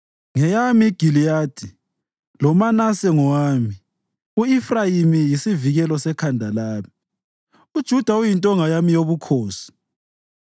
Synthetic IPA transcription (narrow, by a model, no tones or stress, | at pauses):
ŋɛjamiɡ̥ʱilijaːd̥ʱi | lɔmanasɛŋɔwaːmi | uifrajimijisiviɣɛlɔsɛkʰandʱalaːmi | ud̥ʒ̥ʱud̥ʱaujintʼɔŋajamijoβukʰoːsi̥